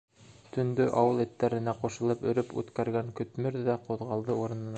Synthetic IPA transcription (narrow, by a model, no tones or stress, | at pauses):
t̪ɵ̆nd̪ɵʔɑwɤlˠɘ̆t̪ːæɾɘ̆næqŏʃɤ̆lˠɤpɵ̆ɾɘpʉ̰t̪kæɾɡæŋkɵ̆t̪mɘɾðæqŏðʁɑlˠd̪ɤuɾɤ̆nɤ̆n